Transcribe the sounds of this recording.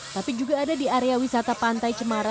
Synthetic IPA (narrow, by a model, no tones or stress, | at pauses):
t̪apid͡ʒuɡaːdadiaɾeawisat̪apant̪ajt͡ʃəmaɾa